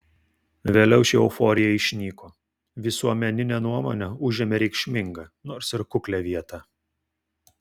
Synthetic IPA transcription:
ʋʲeːlʲɛʊʃʲɪʊfoːɾʲɪjɛɪʃʲnʲiːkoː | ʋʲɪsuɔmʲɛnʲɪnʲɛnuɔmo̰ːnʲɛʊʒʲemʲɛɾʲɛɪkʃʲmʲɪŋɡɐnoːɾsɪɾkʊklʲɛːʋʲiɛt̪ɑ

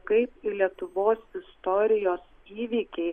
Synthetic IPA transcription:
kɐɪpilʲiɛt̪ʊʋoːsɪst̪ɔɾʲɪjoːs | iːʋʲiːkʲɛɪ

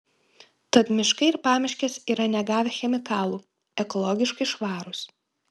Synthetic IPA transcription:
t̪ɐt̪mʲɪʃkɐɪɪɾpɑːmʲɪʃʲkʲɛsiːɾɐnʲɛɡɑːʋʲɛxʲɛmʲɪkɑːlˠuː | ɛkɔlˠɔɡʲɪʃkɐɪʃʋɑːɾʊs

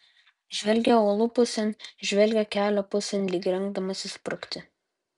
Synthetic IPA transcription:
ʒʲʋʲɛlʲɡʲɛoːlˠʊpʊsʲɛnʲʒʲʋʲɛlʲɡʲɛkʲæːlʲopʊsʲɛnʲlʲiːkʲɾʲɛŋɡd̪ɐmɐsʲɪspɾʊkʲt̪ʲɪ

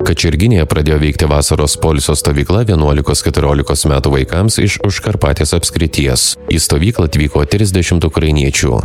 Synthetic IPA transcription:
kɐt͡ʃʲɪɾʲɡʲɪnʲeːjɛpɾɐd̪ʲeːjoːʋʲɛɪkt̪ʲɪʋɑːsɐɾoːspoːlʲsʲoːst̪oːʋʲiːklˠɐʋʲiɛnuɔlʲɪkoːskʲɛt̪ʊɾʲoːlʲɪkoːsmʲæːt̪uːʋɐɪkɐmsɪʃʊʃkɐɾpɑːt̪ʲeːsɐpʲsʲkʲɾʲɪt̪ʲiɛsiːst̪oːʋʲiːklˠɐːt̪ʲʋʲiːkoːt̪ʲɾʲɪzʲd̪ʲɛʃʲɪmt̪ʊkɾɐɪnʲiɛt͡ʃʲṵː

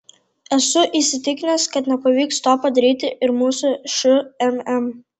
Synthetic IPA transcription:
ɛsʊʔisʲɪt̪ʲɪkʲɪnɛskɐt̪nʲɛpɐʋʲiːkst̪oːpɐd̪ɐɾʲiːt̪ʲɪʔɪɾmuːsʊʃʊɛmɛm

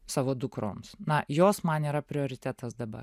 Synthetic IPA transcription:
sɑːʋoːd̪ʊkɾo̰ːmsnɐjoːsmɐniːɾɐpʲɾʲɪoːɾʲɪt̪ʲæːt̪ɐsd̪ɐbɐ̰

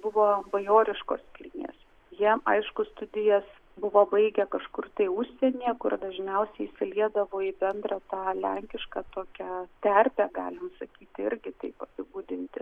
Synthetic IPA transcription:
bʊʋoːbɐjoːɾʲɪʃkoːskʲɪlʲɪnʲḛːs | jiɛɐɪʃkʊst̪ʊd̪ʲɪjɛs | bʊʋoːbɐɪɡʲɛkɐʃkʊrt̪ɐɪʊʃʲsʲɛnʲiːkʊrd̪ɐʒʲnʲɛʊsʲɛɪsʲɪlʲiɛd̪ɐʋoːɪbʲɛnd̪ɾɑt̪ɑːlʲɛŋʲkʲɪʃkɑːt̪oːkʲæt̪ʲɛrʲpʲæɡɑ̰ːlʲɪmsɐkʲiːt̪ʲɪɾʲɡʲɪt̪ɐɪpɐsʲɪbuːd̪ʲɪnʲt̪ʲɪ̰

